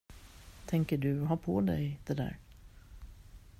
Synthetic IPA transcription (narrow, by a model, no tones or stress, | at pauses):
t̪ʰɛŋkəɖɵɦɑpʰɔd̪ɛ̰jd̪̥ɛd̪æ̰ːɾ